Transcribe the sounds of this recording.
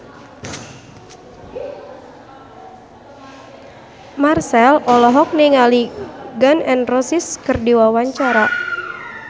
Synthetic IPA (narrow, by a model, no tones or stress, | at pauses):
marsɛlɔlɔɦɔk̚niŋaliɡanɛnrɔsiskɨrdiwawaɲt͡ʃaɾa